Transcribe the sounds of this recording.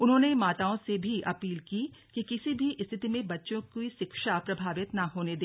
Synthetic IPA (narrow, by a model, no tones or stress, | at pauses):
ʊnɦõːnemaːt̪aːõsebʱiʔɐpiːlkikikɪsibʱiʔɪst̪ʰɪt̪imẽbɐtːʃõkoiʃɪkʃapɾɐbʱaːʋɪt̪nɐɦoːned̪eː